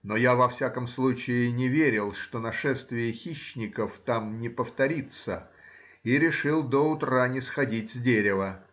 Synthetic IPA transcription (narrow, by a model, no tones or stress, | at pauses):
no̞javɐfsʲakəmslˠut͡ɕɪɪnʲɪvʲeɾʲɪlˠʂt̪onɐʂɛst̪vʲɪjɪxʲiɕːnʲɪkəft̪amnʲɪpəft̪ɐɾʲit̪sə | iɾʲɪʂɨlˠd̪oʊt̪ɾanʲɪsxɐdʲitʲzʲdʲeɾʲɪvə